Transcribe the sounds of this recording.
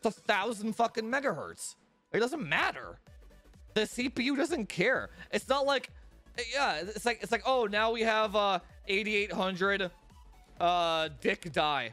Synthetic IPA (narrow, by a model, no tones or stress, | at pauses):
əθaʊz̃n̩d̥fʌkɨ̃nmɛɡəhɜ̰˞ts | ɨt̚d̥ʌzə̃nmæɾə̰˞ | ðɨsipijʉdʌzɨ̃nkʰɛɹʔɨtsnət̚ˡlaɪkjæɪɪtslaɪkɨtslaɪkoʊnaʊwiəvʌ | eɪɾieɪt̚hʌ̃ndɹɨd | ʌdɪkd̥aɪ